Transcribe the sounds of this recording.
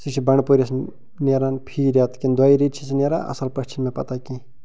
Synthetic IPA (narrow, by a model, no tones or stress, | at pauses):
sit͡ʃʰibɐɳpoɾʲɐs | neɾaːnpʰiːɾat̪kind̪waiɾiːt͡ʃʰisineɾa̰ʔɐ̰sɐlpɐʃt͡ʃʰinmẽpɐt̪aki